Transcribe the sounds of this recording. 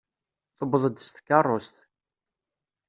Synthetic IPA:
θəbðˤəd̪st̪ə̥kːɑrˤːost̪

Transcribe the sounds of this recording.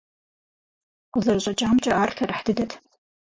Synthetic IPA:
qʷʊzɐrɕʼɐt͡ʃʼaːmt͡ʃʼɐʔaːrtʰɐrħd̥ɨdɐtʰ

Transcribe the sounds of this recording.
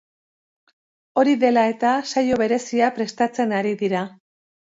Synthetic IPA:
o̞ɾiðe̞lae̞t̪asajo̞βe̞ɾe̞siapɾe̞st̪at͡se̞naɾiðiɾa

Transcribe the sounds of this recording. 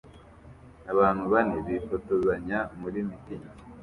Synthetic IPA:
naβaːnhuβaneβifotozaɲamuɾimitimi

